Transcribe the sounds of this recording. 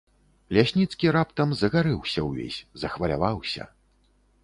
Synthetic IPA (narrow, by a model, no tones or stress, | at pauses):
lʲasʲnʲit̪skʲiɾapt̪ɐmzɐɣaɾɨwsʲɐwvʲḛsʲzɐxvɐlʲa̰vawsʲɐ̰